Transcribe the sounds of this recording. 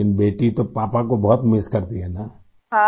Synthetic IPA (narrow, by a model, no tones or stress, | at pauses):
ɪnbeːʈit̪opaːpakobɔɦt̪mɪskɐɾt̪iɦɛːnaː | a